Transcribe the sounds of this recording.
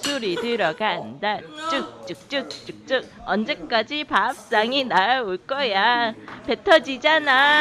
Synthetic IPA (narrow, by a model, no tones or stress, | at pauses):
suɾitɯɾʌɡandat͡ɕ͈ɯk̚t͡ɕ͈ɯk̚t͡ɕ͈ɯk̚t͡ɕ͈ɯk̚t͡ɕ͈ɯk̚ʌnd͡ʑek͈ad͡ʑipaːp̚s͈aŋinaoɭk͈ʌjape̞tʰʌd͡ʑid͡ʑana